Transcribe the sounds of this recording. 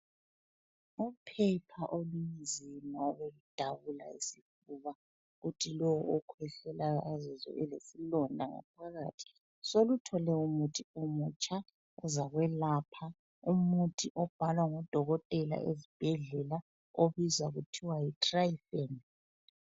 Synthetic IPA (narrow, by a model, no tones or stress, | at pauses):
upʰɛpʰaʔolujizimaɔβelud̥ʱaβula̰isif | uːβa | ɣutʰilɔwɔɔkʰwɛɬɛlaazɔzɔ̰ʔɛlesilɔndʱaŋa̰pʰaɣa̰ːtʰi̥ | solutʰɔlɛumutʰiomut͡ʃʼa | ɔzaɣwɛlapʰa | umutʰʼiʔɔb̥ʱalwaŋɔd̥ʱɔɣɔtʼɛla̰ʔezib̥ʱɛɮɛla | oβizaɣutʰiwajitʼrajfɛn